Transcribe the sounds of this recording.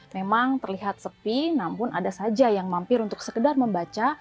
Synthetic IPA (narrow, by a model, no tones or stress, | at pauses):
memaŋt̪ərliɦat̪̚səpinampʊnadasad͡ʒajaŋmampɪɾunt̪ʊk̚səkədarməmbat͡ʃa